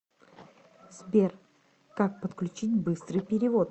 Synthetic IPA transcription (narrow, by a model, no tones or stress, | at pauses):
zbʲer | kak̚pət̪klʲʉt͡ɕitʲbɨst̪ɾɨjpʲɪɾʲɪvo̞t̪